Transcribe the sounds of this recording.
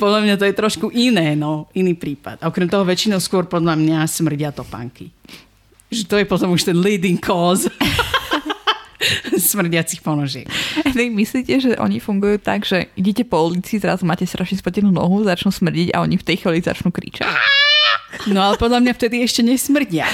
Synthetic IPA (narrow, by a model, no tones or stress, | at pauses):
pɔd̪ʎamɲat̪ɔjɛt̪ɾɔʃkuʔinɛːnɔiniːpɾiːpa̰t̪aɔkɾɛmt̪ɔɦɔʋɛt͡ʃinɔʊskʊɔɾpɔd̪ʎamɲasmr̩ɟɪat̪ɔpa̰ŋki | ʒɛt̪ɔjɛpɔt̪ɔmuʃt̪ɛnliːd̪iŋkʰɔːz | smr̩ɟɪat͡sixpɔnɔʒɪɛ̰knɛmisliːcɛʒɛʔɔ̰ɲifuŋɡujuːt̪a̰ɡʒ̥ɛiɟɛcɛpɔulit͡sizɾazumaːcɛst̪ɾʔaʃɲɛspl̩cɛnuːnɔ̰ɦuzat͡ʃnuːsmr̩ɟiɟa̰ɔɲift̪ɛjxɔliza̰t͡ʃnuːkɾḭːt͡ʃa̰c | nɔalɛpɔd̪ʎamɲaft̪ɛd̪iɛʃcɛɲɛsmr̩ɟɪa